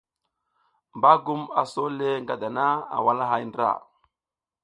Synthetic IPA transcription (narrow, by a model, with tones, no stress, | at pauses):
mba˦ɡu˦ma̰˨so˦le˦ŋɡa˨da˨na˦a̰˨wa˦la˦ɦa˦jndɾa̰˨